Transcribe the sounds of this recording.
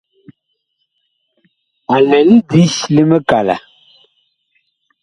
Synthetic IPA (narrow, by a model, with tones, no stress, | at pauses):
a˨lɛ˨li˦di˦sli˦mɛ˦ka˨la̰˨